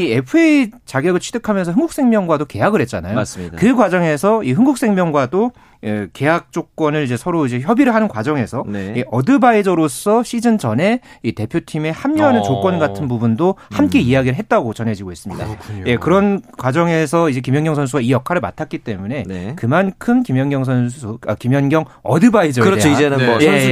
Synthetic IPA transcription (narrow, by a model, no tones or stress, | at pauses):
iepʰɯet͡ɕaɡjʌɡɯɭt͡ɕʰi̥dekʰamjʌns̬ʰʌɯŋɡuk̚s͈ʰe̞ŋmjʌŋɡwadoke̞jaɡɯɾɦe̞t̚t͡ɕ͈anajoikɯɡwad͡ʑʌŋe̞sʰʌiɦɯŋɡuk̚s͈ʰeŋmʲjʌŋɡwado | ɯke̞jak̚t͡ɕ͈ok̚k͈wʌnɯɭid͡ʑe̞sʰʌɾoid͡ʑe̞çjʌbiɾɯɭɦanɯnkwad͡ʑʌŋe̞sʰʌneʔʌdɯbaid͡ʑʌɾos͈ʰʌɕʰid͡ʑɯnd͡ʑʌne̞ite̞pʰjotʰime̞hamːiɦanɯnt͡ɕok͈wʌnɡatʰɯnbubundohamk͈e̞iaɡiɾɭɦet̚t͈aɡot͡ɕʌne̞d͡ʑiɡois͈ɯmɲida̰je̞kɯɾʌnkwad͡ʑʌŋe̞s̬ʰʌid͡ʑe̞kimjʌnŋɡjʌŋsʰʌns̬ʰuɡaijʌkʰaɾɯɭma̰tʰak͈̚it͈e̞mune̞kɯmankʰɯmkimjʌŋɡjʌŋs̬ʰʌnsʰuʌkimjʌnɡjʌŋʌdɯbaid͡ʑʌɯɾʌt͡ɕʰoid͡ʑenɯe